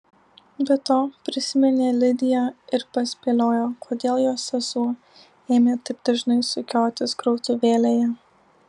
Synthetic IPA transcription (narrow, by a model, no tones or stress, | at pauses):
bʲɛt̪oːpʲɾʲɪsʲɪmʲɛnʲeːlʲɪd̪ʲɪjɛɪɾpɐsʲpʲeːlʲoːjoːkʰoːd̪ʲeːlˠjoːsʲɛzuː | eːmʲeːt̪ɐɪb̚d̪̥ɐʒnɐɪsʊkʲoːt̪ʲɪskɾɔʊt̪ʊʋʲeːlʲeːjɛ